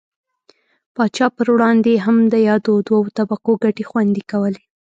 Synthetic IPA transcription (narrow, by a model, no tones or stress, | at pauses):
pɑt͡ʃɑpəɾwɽɑnd̪eɦamd̪əjɑd̪od̪waawt̪abaqoɡaʈexwand̪ikawəle